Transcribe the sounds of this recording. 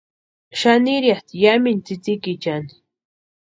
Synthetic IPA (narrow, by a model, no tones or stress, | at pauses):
ʃaniɾjaht̪jamint͡sit͡sikit͡ʃan